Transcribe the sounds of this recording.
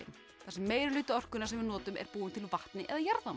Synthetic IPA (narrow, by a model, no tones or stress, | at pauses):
ɪm | θasɛmːeːjɾɪlʏːt̪ʏɔr̥kʏnasɛmvɪnɔːt̪ʏmɛ̰ɾpuːɪmt̪ʰɪlvaht̪nɪʔɛ̰ðajaɾða